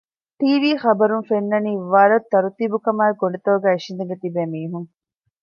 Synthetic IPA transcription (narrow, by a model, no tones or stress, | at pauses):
ʈiːʋiːxɐbɐɾunfenːɐniːʋaːɾɐt̪ːɐɾut̪iːbukɐmaːeɡoɳɖet̪oːuɡæːiʃind̪eŋɡet̪ibeːmiːɦuŋ